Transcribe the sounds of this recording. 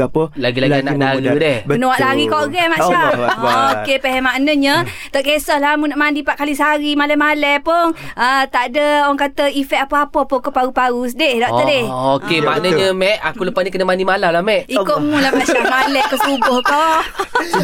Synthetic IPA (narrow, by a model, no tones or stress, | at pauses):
laɡilaɡɡiananaɡudɛhənoaʔlaɣikoʔɡɛmaʔaokepɛɦɛmaʔnəɲət̪əʔkesɔhlamunaʔmandipaʔkalisəaɾimalɛmalɛpʊŋət̪aʔdəoaŋkat̪əifɛʔapəapəapəkopaɡupaɡusdɪhdɔʔ̪ədɪhokema̰ʔnəɲəmɛʔakuləpasɲəkənəmandimalawlamɛʔikoʔmulamasamalɛkəsubʊhko